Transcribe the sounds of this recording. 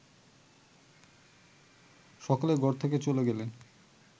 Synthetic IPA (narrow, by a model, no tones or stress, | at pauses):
ʃɔkaleɡɔɾt̪ʰeket͡ɕoleɡelen